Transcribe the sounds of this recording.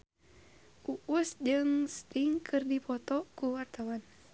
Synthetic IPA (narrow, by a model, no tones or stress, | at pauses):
ʔuʔusd͡ʒɨŋst̪iŋkʰɨrdipʰɔt̪ɔkuwart̪awan